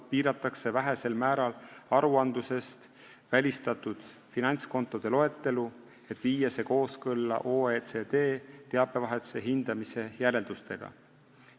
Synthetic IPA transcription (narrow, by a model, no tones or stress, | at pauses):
piːɾɑt̪ːˑɑkse̞væɦe̞se̞lmæːɾɑlɑɾuɑnd̪use̞st̪ | vælʲist̪ɑt̪ːˑud̪̥ | finɑnʲt̪sko̞nt̪ːˑo̞d̪̥e̞lo̞e̞t̪ːe̞lu | e̞t̪ːˑviːjɑse̞ko̞ːskɤlːɑ̰ʔoːet̪sed̪̥e̞ːt̪e̞ɑb̥e̞vɑɦet̪se̞ɦind̪̥ɑmise̞jæɾe̞ld̪ust̪e̞ɡ̥ɑ̰